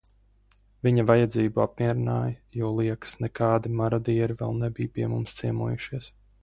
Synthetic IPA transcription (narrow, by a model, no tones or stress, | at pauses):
vʲiɲɐvajad̪ziːbuap̚miɛɾinaːjɐjɔɔlˠiɛkə̥snɛkaːd̪imaɾad̪iɛɾivɛ̰lˠnɛbijpiɛmumst̪siɛmuɔjuʃiɛs